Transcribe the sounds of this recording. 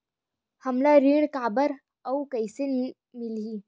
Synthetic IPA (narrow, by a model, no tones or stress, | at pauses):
həmlaɾiːɳ̃kabəɾ | əwkəjse | miliː